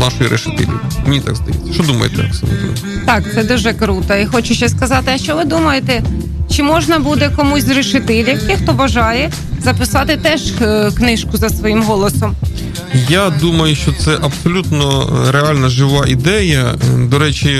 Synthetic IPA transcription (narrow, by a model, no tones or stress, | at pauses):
nɑʃʊjiɾʔḛʃɪ̥t̪ɪ̰lʲḭmenʲit̪a̰ɡzd̪ɐjṵt͡sʲːɐ̥ʃt͡ʃɔd̪umɐ̰jɪ̰t̪ɛmɐ̰ksɪ̰mʲṵt̪ʲḭl | t̪ɑkt̪sɛd̪uʒɛkɾut̪ɐixɔt͡ʃʊʃt͡ʃɐsʲskɐzɑt̪ɪɐʃt͡ʃɔʋɪd̪umɐjet̪ɛ | t͡ʃɪmɔʒnɐbud̪ɛkɔmusʲɾɪʃɪt̪ɪlʲikɪxt̪ɔbɐʒɑjɛ | zɐpɪsɑt̪ɪt̪ɛʒknɪʃkʊzɐsʋɔjimɦɔlˠɔsɔm | jad̪umɐjʊʃt͡ʃɔt̪sɛʔɐbsɔlʲut̪nɔɾealʲnɐʒɪʋɑʔid̪ɛjɐd̪ɔɾɛt͡ʃʲi